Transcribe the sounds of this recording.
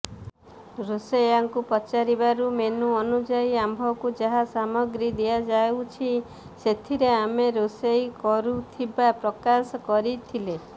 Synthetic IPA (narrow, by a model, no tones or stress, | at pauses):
ɾosejaŋkupɔt͡ʃaɾibaɾumenuɔnud͡ʒaiambʱɔkud͡ʒaɦasamɔɡɾid̪ijad͡ʒaeut͡ʃʰi | set̪ʰiɾeameɾosejkɔɾut̪ʰibapɾɔkasɔkɔɾit̪ʰile